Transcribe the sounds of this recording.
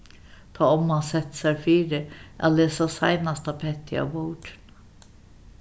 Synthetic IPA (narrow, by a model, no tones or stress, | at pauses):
t̪ʰɑːɔmɑnsɛt̪sæɾfiːɾəʔæleːsɑsæ̰ɪnɑst̪ɑːpʰɛt̪ʰɪ̰ɑ̰boːʈn